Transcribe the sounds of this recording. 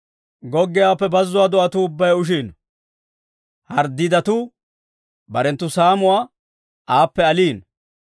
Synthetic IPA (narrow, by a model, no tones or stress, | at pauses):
ɡɔɡːɪjaːpːɛbɐzːʊwaːd̪ʊɐt̪ʊːbːɐjʊʃ̬iːn | hɐɾd̪ɪd̪ɐt̪ʊ | bɐɾɛnt̪ːʊsaːmʊwaː | ʔaːpːɛɐliːn